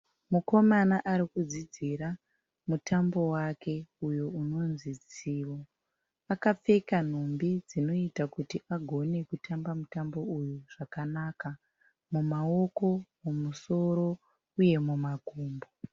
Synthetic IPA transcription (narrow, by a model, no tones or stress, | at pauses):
muko̞manaʔaɾikud͡zid͡ziɾa | mutʰambo̞wake̞ujo̞uno̞nzid͡ziːwo̞ | akap͡fe̞kan̤umbid͡zino̞itakutiʔaɡʱo̞ne̞kutambamutambo̞ujuʐ̥akanaːka | mumao̞ko̞momuso̞ɾo̞ | uje̞mumaɡʱoːmbo